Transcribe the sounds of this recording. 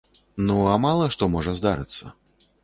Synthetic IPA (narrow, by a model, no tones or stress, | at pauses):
nuamalˠɐʂt̪ɔmɔʐɐzd̪aɾɨ̰t̪sːɐ̰